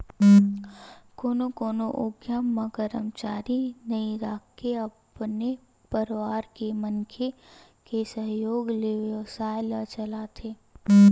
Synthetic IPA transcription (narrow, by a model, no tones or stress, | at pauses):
koːnokoːnoʔoɡjamə̃ɡəɾəmt͡ʃaːɾinɐiɾaːkːeɐpne | pəɾʋaːɾkeməŋkʰekesəɦjoːɡleʋəsaːjlat͡ʃɐlat̪ʰeː